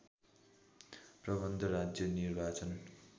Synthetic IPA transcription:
prʌbʌnd̪ʱʌɾad͡zjʌnirbat͡sʌn

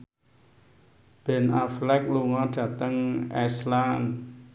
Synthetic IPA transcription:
b̥ɛ̤naflɛk̚luŋɔɖ̥ä̤t̪əŋɛslan

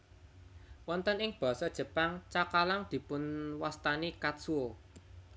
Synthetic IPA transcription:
wɔnt̪ənɪŋb̥ɔ̤sɔd̥ʒ̥ə̤paŋt͡ʃakalaŋd̪̥i̤pʊnwast̪anikat̪suo

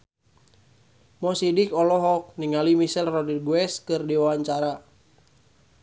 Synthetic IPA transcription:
mɔsidikɔlɔɦɔk̚niŋalimisɛlrɔdirɡwɛskɨrdiwawaɲt͡ʃaɾa

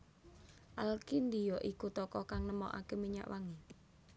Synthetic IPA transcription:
ʔalkind̪ijɔʔikut̪ɔkɔkaŋnəmɔ̰ʔa̰kemiɲa̰ʔwaŋi

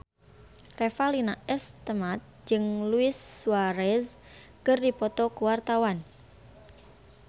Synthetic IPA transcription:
refalinaɛst̪əmat̪̚d͡ʒɨŋluɪsːuwaɾɛs | kərdipɔt̪ɔkəwart̪awan

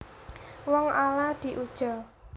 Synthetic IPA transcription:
wɔŋʔalad̪̥i̤ʔud̥ʒ̥ɔ̤

